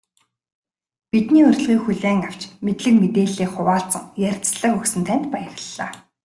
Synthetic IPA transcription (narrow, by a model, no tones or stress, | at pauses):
pit̪niːɵr̆ʲɮʁiːkxuɮeːŋaw̥t͡ɕmet̪ɮɘ̆kmet̪eːɮeːχʊwaːɬt͡sə̆ŋjærʲt͡sɮə̆kɵksɘ̆nt̪ʰæn̥t̪pajə̆rə̆ɮːaː